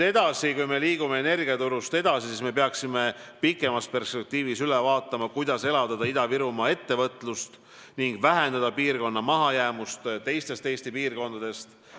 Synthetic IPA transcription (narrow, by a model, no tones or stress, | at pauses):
e̞d̪̥ɑsikujme̞liːɡume̞ene̞rɡiɑt̪uɾust̪e̞d̪̥ɑsisisme̞p̬eɑksime̞pikˑːe̞mɑspe̞rspek̚t̪iːvisylevɑːt̪ːˑɑmɑkujd̪̥ɑse̞lɑd̪̥ɑd̪̥ɑid̪ɑviɾumɑːe̞t̪ːe̞vɤt̪lust̪ | niŋɡvæɦe̞nd̪ɑd̪̥ɑpiːrko̞nːɑmɑɦɑjæːmust̪t̪e̞jst̪e̞st̪ejst̪ipiːrko̞nd̪ɑd̪̥e̞st̪